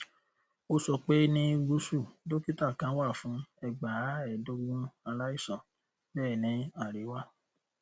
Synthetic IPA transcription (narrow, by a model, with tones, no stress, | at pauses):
o˦sɔ˧k͡pe˦nĩ˦ɡu˧˦su˦˨do˦ki˦ta˦˨kã˨˦wa˦˨fũ˨˦ɛ˦˨ɡ͡ba˨˦ɛ˨do˦ɡũ˦a˧la˦i˦˨sɔ̃˨ | bɛː˦˨nĩ˨˦a˦˨ɾe˨˦wa˦˨